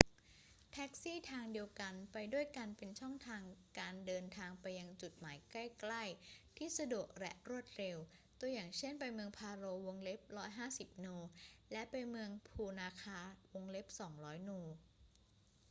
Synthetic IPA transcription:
t̪ʰɛ˦˥k̚siː˥˩t̪ʰaː˧ŋdi˧əwka˧npa˧jdu˥˩əjka˧npe˧nt͡ɕʰɔ˥˩ŋt̪ʰaː˧ŋkaː˧ndɤː˧nt̪ʰaː˧ŋpa˧jːa˧ŋt͡ɕu˨˩t̪̚maː˩˦jkla˥˩jkla˥˩jt̪ʰiː˥˩sa˧du˨˩ək̚lɛ̰˦˥ʔɾu˥˩ət̪̚ɾe˧wt̪u˧jaː˨˩ŋt͡ɕʰe˥˩npa˧jmɯ˧əŋpʰaː˧ɾoː˧wo˧ŋle˦˥p̚ɾɔː˦˥jɦaː˥˩si˨˩p̚nuː˧lɛ˦˥ʔpa˧jmɯ˧əŋpʰuː˧naː˧kʰaː˧wo˧ŋle˦˥p̚sɔː˩˦ŋɾɔː˦˥jnuː˧

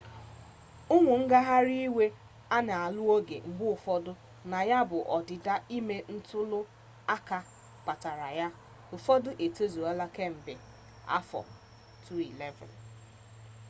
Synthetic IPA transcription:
ʊ˦ŋʷʊ˨ŋ̩˦ɡa˦ɦa˦ɾi˦i˦we˦ | a˦ne˨a˨lʊ˦o˦ɡḛ˨m̩˦ɡ͡bʊ˦ʊ˨fɔ˦dʊ˦ | na˨ja˦bʊ˨ʔɔ˨dɪ˨da˦i˦me˦n̩˦tʊ˦lʊ˦ | a˦ka˦ | k͡pa˨ta˨ɾa˨ja˦ | ʊ˨fɔ˦dʊ˦ʔe˨to˦zu˨a˦la˦ke˦m̩˨bɪ˨ | a̰˦fɔ̰˨ | tʰu˦i˨lɛ˦vɛ̰˨n

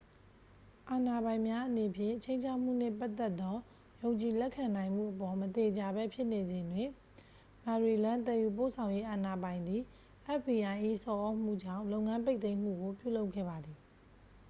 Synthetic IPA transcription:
ʔa˨na˨bã˨ɪ̃mja˦ʔəne˨pʰjɪ̰̃˦˨t͡ɕʰẽ˦ɪ̃ɲt͡ɕʰa˦ʊʔm̥ṵ˦˨n̥ɪ̰̃˦˨pa˦ʔt̪ːɛ˦t̪ːɔ˦ | jõ˨ʊ̃ɲt͡ɕi˨lɛ˦ʔkʰã˨nã˨ɪ̃m̥ṵ˦˨ʔəpɔ˨mət̪e˨d͡ʑa˨bɛ˦pʰjɪ˦ʔne˨zɪ̃˨ndwɪ̃˨ | ma˨ɹi˨lã˦t̪ɛ˨ju˨p̬o̰˦˨sʰã˨ʊ̃je˦ʔa˨na˨bã˨ɪ̃nd̪i˨ | ʔɛ˦f̚bi˨ʔa˨ɪ̃ʔi˦sɔ˨ʔo˦m̥ṵ˦˨d͡ʑã̰˦˨lõ˦ʊŋã˦mpe˦ɪʔt̪ẽ˦ɪ̃m̥ṵ˦˨ɡo˨pjṵ˦˨lo˦ʊkʰːɛ̰˦˨ba˨d̪ði˨

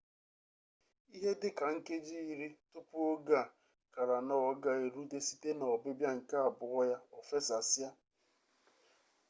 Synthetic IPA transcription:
i˦ɦe˦dɪ˦ka˨ŋ̩˦ke˦d͡ʒi˦i˨ɾi˦tʊ˦pʊ˦o˦ɡa˦˨ | ka˨ɾa˨nɔ˦ɔ˦ɡa˦e˨ɾu˦de˦si˦te˦nɔ˨bɪ˦bja˦ŋ̩˨ka˦a˨bʊ˨ɣɔ˦ja˦ɔ˨fe˦sa˨sɪ˦a˦

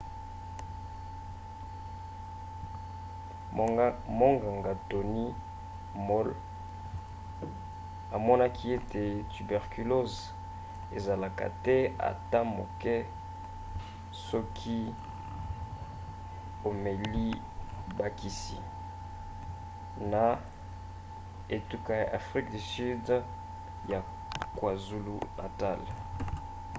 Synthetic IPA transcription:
mo˦ŋɡa˨ŋɡa˨to˨ni˦ | mɔ˦l | a˨mɔ˦na˦kʰi˦e˦te˨ty˨bɛ˨ʁky˨lo˦z | ḛ˨za˨la˨ka̰˨tɛ˦a̰˨ta˦mo˨kɛ˦ | sɔ˦kʰi˦ | o˨me˨li˦ | ba˦ki˨si˨ | na˨ | e˨tu˨ka˨ja˨ʔa˨fʁi˦k̚di˨sy˦d | ja˨ | kwa˨zu˦lṵ˦nʔa̰˨ta˦˨l

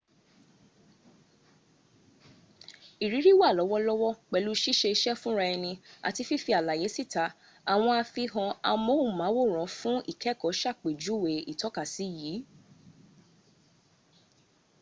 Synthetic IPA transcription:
i˨ɾi˨˦ɾi˦wa˦˨lɔ˨˦wɔ˦lɔ˦wɔ˦k͡pɛ˨lu˨˦ʃi˦ʃe˧i˧ʃɛ˦fũ˦ɾa˧ɛ˧nĩ˧a̰˨ti˧˦fi˦fi˧˦a˨la˨je˨˦si˦˨ta˨˦ | a˨w̃ɔ̃˧a˧fi˧ɦɔ̃˧a̰˧mo˦u˦˨mã˨˦wo˦˨ɾ̃ɔ̃˨˦fũ˦ḭ˦˨kʰɛ˦˨kɔ˨˦ʃa˦˨k͡pe˨d͡ʒu˨˦˨we˨i˨tɔ˨˦ka˦˨si˨˦˨jiː˨˦

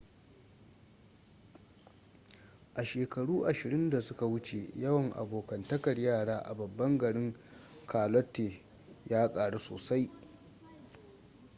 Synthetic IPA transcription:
ʔa˨ʃeː˨kɐ˨ɽuː˦ʔa˨ʃɪ˨ɾɪ˦nda˨sʊ˦ka˨wʊ˦t͡ʃe˨jɐ˦wɐ˨ŋʔa̰˨boː˨kɐ˨ntɐ˦kɐ˨rjaː˦˨ɽaː˦ʔa̰˨bɐ˨bːɐ˦ŋɡɐ˨ɽɪ˦ŋ | kʰaː˨lɔ˦tːeː˨ | jaː˦kʼaː˨ɽe˦so̰ː˨sa˦j

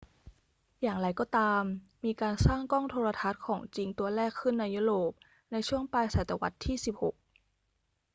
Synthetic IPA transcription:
jaː˨˩ŋɾa˨˩jkɔː˥˩t̪aː˧mː | iː˧kaː˧nsaː˥˩ŋkɔː˥˩ŋt̪ʰoː˧ɾa˧t̪ʰa˦˥t̪̚kʰɔː˩˦ŋt͡ɕi˧ŋt̪u˧ɐɾɛː˥˩kʰːɯ˥˩nːa˧jːu˦˥ɾoː˨˩p̚ | na˧jt͡ɕʰu˥˩əŋpaː˧jsa˨˩˦t̪a˧˩wa˧˦˥t̪ʰːiː˥˩si˨˩p̚ho˨˩k̚

